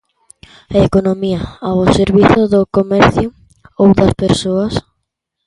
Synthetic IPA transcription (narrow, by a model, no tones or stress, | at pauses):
ɐekonomiɐaoseɾβiθʊðʊkomɛɾθjʊ | owðɐspeɾsoɐs